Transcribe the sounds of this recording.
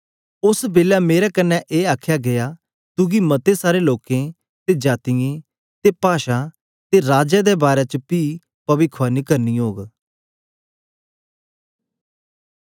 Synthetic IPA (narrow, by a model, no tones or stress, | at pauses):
ʊsbeːlaːmeːɾɛːkənːɛʔeːaːkʰjaːɡɪjaː | t̪uɡimət̪esaːɾeloːkẽ | t̪ed͡ʒaːt̪ijẽː | t̪eːpaːʃãː | t̪eɾaːd͡ʒɛd̪ɛːbaːɾɛt͡ʃəpiː | pəbɪkʰʋaːnikəɾniːɦoːɡ